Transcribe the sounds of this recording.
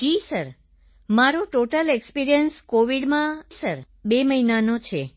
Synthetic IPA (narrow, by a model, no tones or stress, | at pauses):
d͡ʒisəɾ | maɾoʈoʈəlekspiɾijənskoʋiɽmãsəɾ | beməɦinanot͡ʃʰe